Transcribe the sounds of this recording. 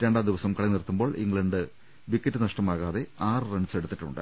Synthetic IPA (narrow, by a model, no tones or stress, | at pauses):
ɾe̞ɳɖaːd̪iʋɐsɐmkɐɭɐnirt̪ːumbo̞ːɭʔḭŋɡɭɐɳɖɨ | ʋikːɐtːɨnɐʂʈɐmaːɣaːðe̞aːrɨrɐɳɖse̞ɽut̪ːiʈːṵɳɖɨ̰